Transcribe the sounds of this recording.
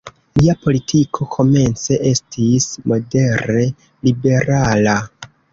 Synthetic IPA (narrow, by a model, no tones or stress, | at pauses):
liapo̞litʰikʰo̞kʰo̞me̞nt͡se̞ʔe̞stismo̞de̞ɾe̞ | libe̞ɾala